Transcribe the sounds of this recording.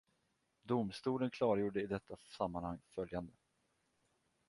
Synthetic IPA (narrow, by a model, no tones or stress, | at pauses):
d̪ʊmst̪uːlənkʰlɑːɾajuːɖəɪd̪ɛt̪ʰːasamːanhaŋːfœljand̪ə